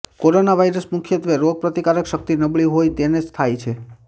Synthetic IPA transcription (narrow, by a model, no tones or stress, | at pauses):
koɾonaʋaiɾəsmukʰjət̪ʋeɾoɡ̚pɾət̪ikaɾəkʃək̚t̪inəbɭiɦojt̪ened͡ʒt̪ʰajt͡ʃʰe